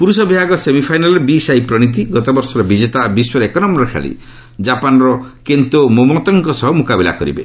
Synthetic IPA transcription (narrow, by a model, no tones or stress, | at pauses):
puɾusɔbibʱaɡɔsemipʰajnalɔɾbisajpɾɔɽ̃it̪̬iɡɔt̪ɔbɔɾsɔɾɔbid͡ʒet̪abiswɔɾekɔnɔmɔɾɔkʰa̰ɭḭ | d͡ʒapanɔɾɔkent̪omomɔt̪ɔŋkɔsɔɦɔmukabila̰kɔɾḭbḛ